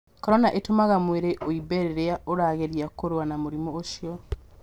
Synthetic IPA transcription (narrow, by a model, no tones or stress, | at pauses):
kɔɾɔnaʔetomaɣamweɾeʔoibeɾeɾeaʔoɾaːɣeɾjakoɾwanamoɾimɔoʃiɔ